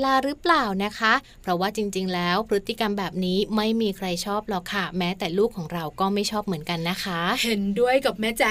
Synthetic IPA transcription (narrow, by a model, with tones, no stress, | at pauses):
laː˧ɾɯː˦˥plaː˨˩wna˦˥kʰa˦˥ʔ | pʰɾɔ˦˥waː˥˩t͡ɕi˧ŋt͡ɕi˧ŋlɛː˦˥wpʰɾɯ˦˥t̪ːi˧˩ka˧mbɛː˨˩p̚niː˦˥ma˥˩jmiː˧kʰɾa˧jt͡ɕʰɔː˥˩p̚lɔ˨˩kʰːa˥˩mɛː˦˥t̪ɛː˨˩luː˥˩kʰːɔː˩˦ŋɾa˧wkɔː˥˩ma˥˩jt͡ɕʰɔː˥˩p̚mɯ˩˦ənka˧nːa˦˥kʰa˦˥he˨˩˦ndu˥˩əjka˨˩p̚mɛː˦˥t͡ɕa˧˩